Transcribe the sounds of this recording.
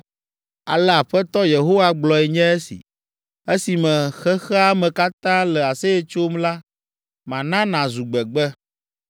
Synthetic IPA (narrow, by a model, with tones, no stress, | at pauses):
a̰˨lɛ˦˨a˨ɸɛ˦t̪ɔ˦je˨ɦo˦wa˦ɡ͡blɔ˨ɛ˨ɲɛ̃˦e˦sḭ˨ | e˦si˨mɛ̃˨xɛ˦xɛ˦a˦mɛ̃˨ka˦t̪ã˦lɛ˨a˨se˦jɛ˦t͡ʃo˦mla˦ | mã˨nã˦nã˨zu˨ɡ͡bɛ˨ɡ͡bɛ˦